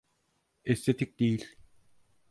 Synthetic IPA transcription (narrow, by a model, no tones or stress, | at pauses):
eset̪ʰik̚t̪iːɮ